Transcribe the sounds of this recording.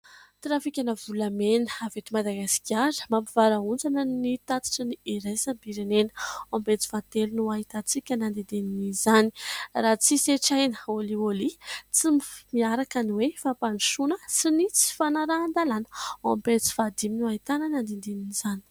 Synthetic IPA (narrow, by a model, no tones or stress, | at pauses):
t̪ɾafikʲanəvulamenəavet̪imad̪aɡasi̥kʲaɾə̥mampivaɾaund͡zanənit̪at͡s̪i̥ʈ͡ʂəniiɾajsambiɾenenəwampet͡si̥fant̪elunuaɦit̪at͡sikʲənand̪end̪eninizani̥rat͡siseʈ͡ʂajnəoliolit͡simifmiaɾakaniwefapaniʃunəsinit͡si̥fanaɾaːnd̪alanə̥wampet͡si̥fad̪iminuaɦit̪anənand̪end̪eniniz̥ani̥